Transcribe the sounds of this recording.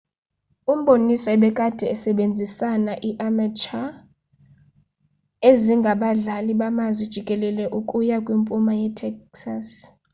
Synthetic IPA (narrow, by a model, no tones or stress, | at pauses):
um̩ɓonisɔɛɓɛkʼad̥ʱɛːsɛɓend͡zʱisanaʔiʔamat͡ʃʰʼa | eziŋɡʱaɓaɮaliɓamazwid̥ʒ̥ʱikʼɛlɛlɛʔukʼujakʼwimpʼumajɛtʰɛksas